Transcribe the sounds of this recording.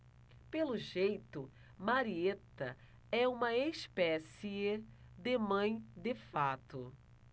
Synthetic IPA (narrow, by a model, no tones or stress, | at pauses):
pelʊʒejt̪ʊ | maɾiet̪ɐ | ɛũmɐeʃpɛsie | d̪emɐ̃j̃d̪efat̪ʊ